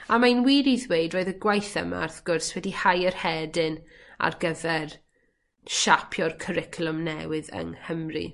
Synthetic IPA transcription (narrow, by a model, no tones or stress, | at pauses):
amajnwiːɾiðwejdroːɨðəɡwajθə̰ma̰arθɡ̥ʊrswɛdihajərhɛdɪn | a̰rɡəvɛr | ʃapʰjɔrkʰəɾɪkʰlˠʊmnɛwɪðə̰ŋhəmrḭ